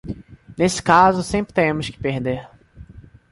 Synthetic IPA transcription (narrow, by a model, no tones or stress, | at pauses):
nesɪ̥kazʊsẽmpɾɪt̪eẽmʊskɪ̥pehd̪eɾ